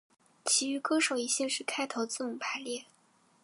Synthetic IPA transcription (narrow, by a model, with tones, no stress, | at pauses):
t͡ɕʰi˧˥y˧˥kɤ˥ʂo˨˩ʊi˥˩ɕɛ˥˧ʂɻ̩˥˧kʰa˥ɪt̪ʰo˧˥ʊt͡sɹ̩˥˩nʊ˨˩ŋpʰa˧˥ɪljɛ˥˩